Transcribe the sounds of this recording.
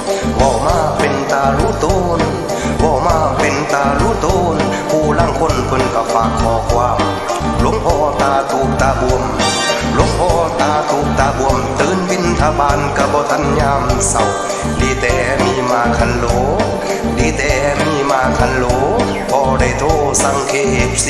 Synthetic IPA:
bɔː˧˩maː˧˩˨pe˨nt̪aː˧ɾuː˧˥˨t̪oː˧n | bɔː˧˩maː˧pe˨nt̪aː˧luː˧˥˨t̪oː˧n | pʰuː˧˩laː˧˥˨ŋkʰo˧˥˨npʰɤ˧˨nka˧˩faː˨˧˦kʰːɔː˧˩kʰwaː˧m | lo˧˥˦ŋpʰɔː˧t̪aː˧t̪uː˨˦p̚t̪aː˧bu˧˨əm | lo˧˥˦ŋpʰɔː˧˩t̪aː˧˩t̪uː˨˧˦p̚t̪aː˧bu˧˨əmt̪ɯː˨nbi˧˥˨nt̪ʰa˧baː˧˨nka˧˩bɔː˧˦t̪ʰa˧˥˨nɲaː˧˨msa˧˩w | diː˧˩˦t̪ɛː˨˩ | miː˧˩˨maː˧˩kʰa˧˥˨nloː˨˧˦ | diː˧˦t̪ɛː˧˨˩miː˧˨maː˧˩kʰa˧˥˨nloː˨˦ | kʰɔː˧˩da˧˩jt̪ʰoː˧˩sa˧˩˨ŋkʰeː˧˩p̚

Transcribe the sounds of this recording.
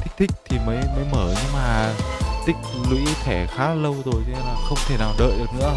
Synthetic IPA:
t̪ʰk̚t̪ʰï˦˥k̟̚t̪ʰi˨˩məː˨˦jməː˨˦jməː˧˩ɲɨ˧ŋmaː˨˩t̪ï˦˥k̟̚lwḭ˧˥t̪ʰɛ˧˩xaː˨˦lə˧wzo˨˩jt̪ʰe˨˦˧laː˨˩xə˧wŋ͡mt̪ʰe˧˩naː˨˩wɗə̰ː˧˨jɗɨ˨˩ək̚nɨ̰˧˥ə

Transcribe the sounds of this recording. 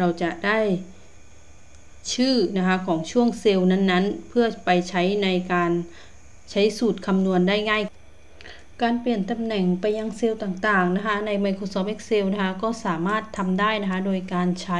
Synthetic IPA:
ɾa˧wt͡ɕa˨˩ʔdaː˥˩j | t͡ɕʰɯː˥˩na˦˥kʰa˦˥kʰɔː˩˦ŋt͡ɕʰu˥˩əŋse˧wna˥˨nːa˦˥˨npʰɯ˥˩ɐpa˧jt͡ɕʰa˦˥jna˧jkaː˧n | t͡ɕʰa˦˥jsuː˨˩t̪̚kʰa˧mnu˧ənda˥˩jŋaː˥˩j | kaː˧npi˨˩ənt̪a˧mnɛ˨˩ŋpa˧jːa˧ŋse˧wt̪aː˨˩ŋt̪aː˨˩ŋna˦˥kʰa˦˥na˧jma˧jkʰo˧sɔː˧˥p̚ʔe˧˥k̚se˧wna˦˥kʰa˧˥kɔː˥˩saː˩˦maː˥˩t̪ʰːa˧mdaː˥˩jna˦˥kʰa˦˥doː˧jkaː˧nt͡ɕʰa˦˥

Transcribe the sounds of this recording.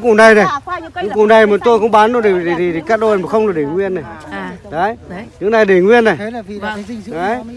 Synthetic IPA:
ŋku˧˩na˨˩jna˨˩jɲɨ˨˧˦ŋku˨˩na˨˩jma˨˩t̪o˧jxə˧˦ŋ͡mɓa˨˦nɗo˧˦ɗe˨˩e˨˩ɗi˨˩i˨˩ka˦˥k̚ɗo˧˨maː˨˩xə˧wŋ͡mnla˨˩ɗe˨˩ŋwi˧əna˨˩jɗa˨˦jɲɨ˨˦˥ŋna˨˩jɗe˨˩ŋwi˧ənːa˨˩j | a˨˦j

